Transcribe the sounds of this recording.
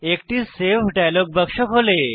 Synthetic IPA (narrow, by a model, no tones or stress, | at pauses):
ekʈiːsefɖajloɡ̚bəkʂəkɦole